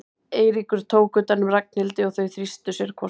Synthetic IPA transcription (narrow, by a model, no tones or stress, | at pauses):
eːjɾikʏɾ̥t̪ʰoːwkʏt̪anːʏmrak̚nɪlt̪ɪɔɣθœɥθɾist̪ʏsjɛɾ̥kʰvɔ